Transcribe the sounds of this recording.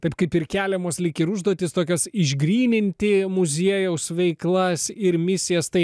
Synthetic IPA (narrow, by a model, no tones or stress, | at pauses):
t̪ɐɪp̚kɐɪpɪɾkʲæːlʲɛmoːslʲɪkʲɪɾʊʒd̪oɔːt̪ʲɪst̪oːkʲɛsɪʒɡɾʲiːnʲɪnʲt̪ʲɪmʊzʲiɛjɛʊsʋʲɛɪklˠɐsɪɾmʲɪsʲɪjɛst̪ɐɪ